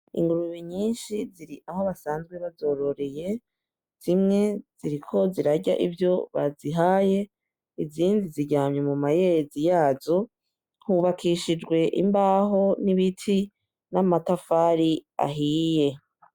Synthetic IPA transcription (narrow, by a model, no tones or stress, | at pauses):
ḭŋɡuɾuβiɲiːnʃiziɾiʔaho̞βasaːnzɡwe̞βazo̞ɾo̞ɾe̞je̞ | z̥imŋe̞z̥iɾikʰo̞ziɾaɟaʔivjo̞βa̰ziɦaje̞ | iziːndiziɟaːmɲomumajezijaːzo | huβakʰiʃid͡ʒɡwe̞ʔḭmbaːɦo̞niβitʰi | namatafaːɾia̰ɦije̞